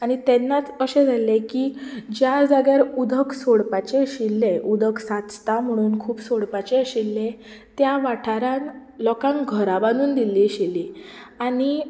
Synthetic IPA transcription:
aɽ̃it̪enːat͡səɕẽd͡zʱalekiːd͡ʑjad͡zaɡjaɾud̪ʱəksoɽpat͡ɕeɕilːeʔud̪ʱəksat͡st̪am̤əɽ̃uːnkʰuːpsoɽpat͡ɕeəɕilːet̪jaʋaʈʰaɾãŋlɔkãŋkɡʱəɾabanuːnd̪ilːiɕiliaɽ̃i

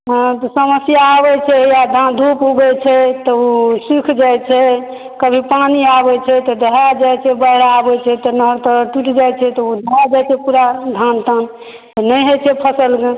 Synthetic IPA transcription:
ɦt̪ɔsəməsjaːβɛt͡ʃʰɛjad̪ʱad̪ʱupɦuɡɛt͡ʃʰɛt̪ɔusikʰd͡ʒajt͡ʃʰɛ | kəbʱipaniabɛt͡ʃʰɛt̪ɔd̪əɦad͡ʒajt͡ʃʰɛbəɦɾaːbɛt͡ʃʰɛt̪ɔnəɦəɾt̪əɾʈiʈd͡ʒajt͡ʃʰɛt̪ɔud̪əɦad͡ʒajt͡ʃʰɛpuɾad̪ʱant̪ən | t̪ɔnəjɦot͡ʃʰɛpʰəsəlɡe

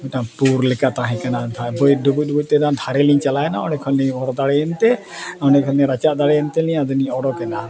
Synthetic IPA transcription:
ʈapuɾlɛkat̪aɦɛ̃kanad̪ʱabɔɖubuc̚dubuc̚ˀt̪ɛd̪ãd̪ʱaɾɛliɲt͡ʃalaɛnaɔnɛkʰɔniɔɽɔd̪aɽɛɛnt̪ɛ | ɔnɛkʰɔnɛɾat͡ʃaʔd̪aɽɛɛnt̪ɛlijãd̪əniɔɽɔkɛna

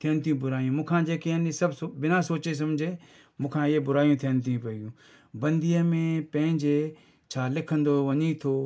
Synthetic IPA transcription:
t̪ʰɪjənt̪ʰijũːbʊɾaːjũːmũːkʰãːd͡ʒeːkeəniːsəbsbɪnãːsoːt͡ʃes̬əmd͡ʒʱeː | mũːkʰãːɪebʊɾaːjũːt̪ʰijənt̪ʰiũːpəɡjũː | bə̃nd̪iəmẽːpə̃ɦɪ̃ɲd͡ʒeː | t͡ʃʰaːlɪkʰənd̪oːʋəɲiːt̪ʰoː

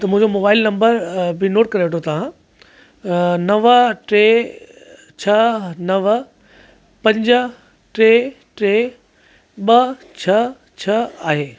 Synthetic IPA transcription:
t̪ɐmũɦɪ̃ɲd͡ʑomoːbaːɪlnɐ̃mbəɾbɪnoːʈ̚kɐɾeʋeʈʰot̪ɐʋ̤ã | nɐʋəʈɾe | t͡ɕʰɐnɐʋə | pɐ̃ɲd͡ʑə | ʈɾeː | ʈɾeː | ɓɐt͡ɕʰɐ | t͡ɕʰɐaːɦeː

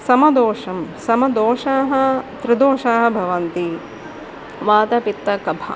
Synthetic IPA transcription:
sɐmɐd̪oːʂɐmsɐmɐd̪oːʃaːɦɐ̆t̪ɾɪd̪oːʃaːɦɐ̆bʱɐʋɐnt̪i | ʋaːt̪ɐpit̪ːɐkɐbʱɐ̰

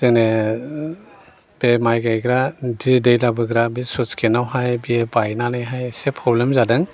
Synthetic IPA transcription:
zene | b̥emajɡajɡɾadidejlabɯɡɾabisɔskʰenawɦajbiebajnanɯjɦajsepʰɾɔblemzadɯŋ

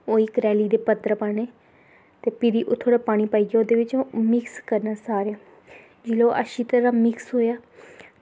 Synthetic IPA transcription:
oːiːkɾɛːliːd̪eːpət̪ɾəpəneː | t̪eːpɪɾiːʔʊt̪ʰːoːɽaːpaːɽ̃iːpaːiːɡaːoːd̪eːʋɪt͡ʃomɪkskəɾnaːsaːɾjaː | d͡ʒɪloʔa̰ʃiːt̪əɾaːmɪksɦoːjaː

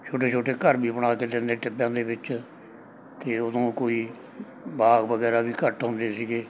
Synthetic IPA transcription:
t͡ʃʰoːʈeːt͡ʃʰoːʈeːkəɾbiːbɳaːkeːd̪ẽnd̪eːʈɪpːjãːd̪eːbɪt͡ʃ | t̪eːʊd̪õːkoːiː | baːɡbəɡɛːɾaːbiːkəʈɦʊ̃nd̪eːsiːɡeː

